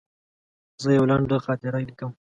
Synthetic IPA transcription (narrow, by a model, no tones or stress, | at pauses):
zəjawlaɳɖaxɑt̪ɪɾalik̪əm